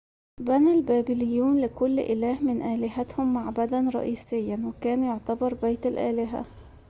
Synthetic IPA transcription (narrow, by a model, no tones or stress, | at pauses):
bænælbæːbɪlɪjːuːnlɪkʊlːʔɪlæːhmɪnʔæːlɪɦæt̪hʊmːaʕbad̪ænɾˤɑ̰ʔiːsɪjːanwɪkæːnjoʕt̪ɑbɑɾˤbajt̪alʔæ̰ːlɪɦæ̰